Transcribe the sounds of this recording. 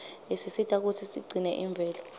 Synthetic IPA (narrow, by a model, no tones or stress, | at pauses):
esisitʰʼak̬utʰisḭɡ͡ǀʱinɛʔiɱb̪vʱɛːlɔ